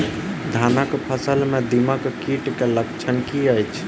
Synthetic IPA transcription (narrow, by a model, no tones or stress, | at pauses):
d̪ʱanəkpʰəsəlmed̪iməkkiʈkeləkt͡ʃʰənkiəjt͡ʃʰ